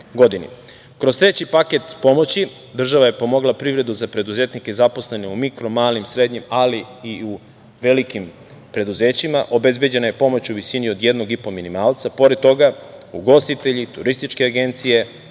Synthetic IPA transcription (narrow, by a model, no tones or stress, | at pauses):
ɡo̞d̪inḭ | kɾost̪ɾe̞t͡ɕipaket̪po̞mo̞t͡ɕi | d̪r̩ʒaʋaje̞po̞mo̞ɡlˠapɾiʋɾe̞d̪uzapɾe̞d̪uzeːt̪nike̞zapo̞sle̞ne̞umikɾo̞maːlimsɾe̞d̪ɲimaliiu | ʋe̞likim | pɾe̞d̪uze̞ːt͡ɕimaʔo̞be̞zbe̞d͡ʑe̞naje̞po̞mo̞t͡ɕuʋisiniod̪je̞d̪no̞ɡipo̞minimaːlˠt̪sapo̞ɾe̞d̪̚t̪ːo̞ɡauɡo̞st̪it̪eʎit̪uɾist̪it͡ʃke̞aɡe̞nt̪sije̞